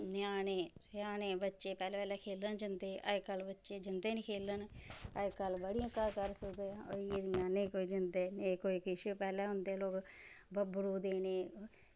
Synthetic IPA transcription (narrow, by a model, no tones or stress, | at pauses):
njaːneːsjaːneːbətːʃeːpɛːleːpɛːleːkʰeːlənd͡ʒɪnd̪eːʔəjkəlbətːʃeːd͡ʒɪnd̪eːnikʰeːlənəjkəlbəɽiãkːaːkəɾsəkd̪eːoed̪jãːnẽːkoːid͡ʒɪnd̪eːneːkoːikiʃəpɛːleːɦʊnd̪eːloːk | bəbɾuːd̪eːneː